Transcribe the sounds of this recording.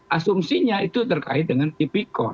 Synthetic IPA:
ʔasumsiɲait̪ut̪ərka̰ɪt̪̚dəŋant̪ipikɔ

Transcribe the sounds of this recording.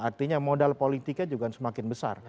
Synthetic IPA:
ʔart̪iɲamodalpolit̪ikɲad͡ʒuɡansəmakɪnbəsa̰r

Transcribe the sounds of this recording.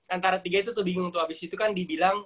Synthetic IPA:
ʔant̪aɾat̪iɡait̪̬ut̪əbiŋʊŋnt̪̬ukhabɪsit̪ukandibilaŋ

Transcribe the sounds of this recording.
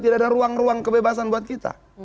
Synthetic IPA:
t̪idaadaɾuaŋruaŋkəbebas̬anbuat̪̚kit̪a̰

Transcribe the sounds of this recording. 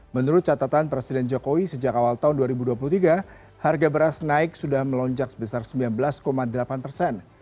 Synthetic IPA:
mənuɾʊt̪̚t͡ʃat̪at̪anpɾesidɛnd͡ʒokowisəd͡ʒakawalt̪aʊnduaɾibuduap̬ulut̪iɡa | harɡabəɾasnaɪk̚sudahməlɔɲd͡ʒaksə̥bəsarsəmbilanbəlaskomadəlapanpərsɛn

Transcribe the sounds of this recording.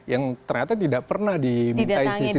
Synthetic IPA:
jaŋt̪ərɲat̪at̪idaʔpərnahdimiaisisi

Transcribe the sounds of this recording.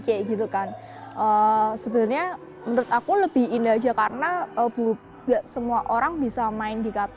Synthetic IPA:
keʔɡit̪ukan | ʔəsəbənrɲa | mənɾʊt̪akuləb̥ɪhindad͡ʒakaɾənaəb̥u | ɡaʔsəmuaʔoɾaŋbisamaɪndikat̪

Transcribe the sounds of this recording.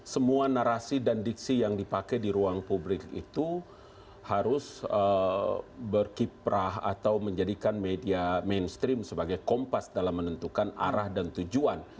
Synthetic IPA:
səmuanaɾasidandik̚sijaŋdipakɛjdiɾuaŋpublɪkḭt̪u | haɾʊsə | bərkipɾaɦa̰t̪awməɲd͡ʒadikanmediamenst̪ɾimsəbaɡajkɔmpasdalamːənənt̪ukana̰ɾahdant̪ud͡ʒuan

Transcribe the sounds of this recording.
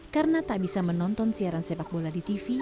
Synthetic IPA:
kaɾənat̪aʔbisamənɔnt̪ɔnsiaɾansepak̚boladit̪ifi

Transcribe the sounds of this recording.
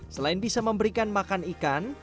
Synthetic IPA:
səlaɪnbisaməmbəɾikanmakanikan

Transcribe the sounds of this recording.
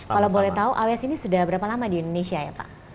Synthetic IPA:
alawbolɛht̪auʔaweasinisudahbəɾapalamadiindonesiaja̰pa̰ʔ

